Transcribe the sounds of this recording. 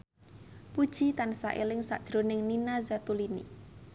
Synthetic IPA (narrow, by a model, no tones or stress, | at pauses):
pud̥ʒ̥it̪ansaʔelɪŋsa̰ʔd̥ʒ̥ɾonɪŋninazat̪ulinḭ